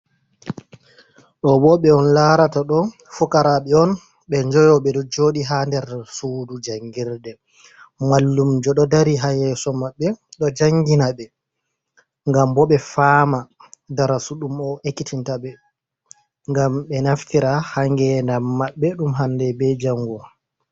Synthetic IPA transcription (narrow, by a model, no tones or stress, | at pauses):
ɗɔbɔɓɛɔnlaɾataɗɔ | fɔkaɾaɓɛɔn | ɓɛɲd͡ʒɔjɔɓɛɗɔd͡ʒoɗiɦandɛɾsuːdud͡ʒaŋɡiɾdɛ | malːumd͡ʒɔɗɔdaɾiɦajɛsɔmaɓːɛɗɔd͡ʒaŋɡinaɓɛ | ŋɡambɔɓɛfaːmadaɾasuɗumɔʔekːitintaɓɛ | ŋɡamɓɛnaftiɾahaŋɡɛndamːaɓːɛɗumɦandɛbɛd͡ʒaŋɡɔ